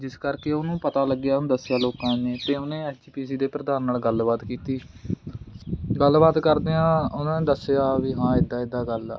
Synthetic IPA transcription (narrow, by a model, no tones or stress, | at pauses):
d͡ʒɪskəɾkeːʊnũːpət̪aːləɡːjaːñːd̪əsːejaːloːkãːneːt̪eːʊnẽːɛːst͡ʃiːpiːsiːd̪eːpɾəd̪aːnːaːlɡəlbaːt̪kiːt̪iː | ɡəlbaːt̪kəɾd̪eːãːʊnãːneːd̪əsːejaːʋiːɦãːɪd̪ːaːɪd̪ːaːɡəl̰ː